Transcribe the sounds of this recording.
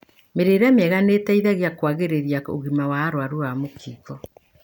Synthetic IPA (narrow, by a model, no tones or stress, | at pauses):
meɾeɾamɛɣanetɛiðaɣeakwaɣeɾeɾjao̰ɣimawaːɾwaɾuamokʰiːkɔ